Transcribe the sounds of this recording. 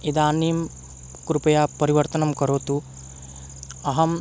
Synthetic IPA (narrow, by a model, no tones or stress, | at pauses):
id̪aːnim | kɾupɐjaːpɐɾiʋɐɾt̪ɐnɐmkɐɾoːt̪u | ɐɦɐm